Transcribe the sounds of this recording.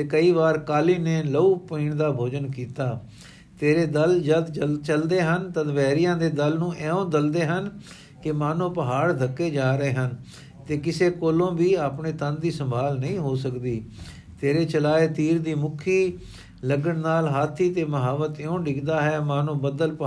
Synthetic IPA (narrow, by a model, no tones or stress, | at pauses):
t̪eːkəiːʋaːɾkaːliːneːləuːpiːɳd̪aːbʱoːd͡ʒənkiːt̪aː | t̪eːɾeːd̪əld͡ʒəd̪t͡ʃəld̪eːɦənt̪ə̃d̪ʋɛːɾɪjãːd̪eːd̪əlnũːʔɛːõːd̪əld̪eːɦən | kɪmaːnõːpəɦaːɽd̪ʱəkːeːd͡ʒaːɾəeːɦən | t̪eːkɪseːkoːlõːbiːaːpɳeːt̪ənd̪iːsəmbʱaːlnəĩːɦoːsəkd̪iː | t̪eːɾeːt͡ʃəlaːeːt̪iːɾd̪iːmʊkʰiː | ləɡəɳnaːlɦaːt̪ʰːiːt̪eːməɦaːʋət̪ːõːɖɪɡd̪aːɦɛːmaːnũːbəd̪əlp